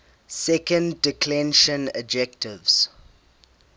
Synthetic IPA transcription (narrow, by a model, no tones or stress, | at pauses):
sɛkə̃ndːɪkʰlɛ̃nʃə̃nə̰d͡ʒɛk̚tɪvs